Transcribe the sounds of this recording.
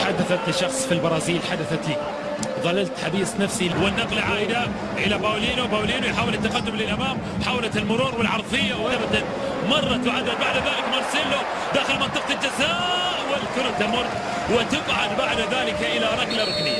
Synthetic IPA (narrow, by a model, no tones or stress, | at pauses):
ħad̪aθat̪ʃːɑxsˤfilbɑɾˤɑːziːlħad̪aθat̪i | ðˤɑlːalt̪ħabiːsˤnafsiwɪnːɑqlʕaːʔɪd̪a | ʔɪlabaːliːnʊwbaːwliːnwɪjħaːwɪlat̪ːaqad̪ːʊmlɪlʔamaːm | ħaːwlat̪ɪlmʊɾuːɾwɪlʕɑɾˤðˤɪjːawʔabd̪an | mɑrˤːɑt̪wʕad̪abaʕd̪ðaːlɪkmʊɾˤsɪlːʊ | d̪aːxɪlmɑnt̪ːˤɑq̚t̪ɪt̪ːasawʊlkʊɾat̪amʊɾˤ | wɪt̪ɪqʕad̪baʕd̪ðaːlɪkʔɪlaɾˤɑɡlaɾˤʊknɪjːa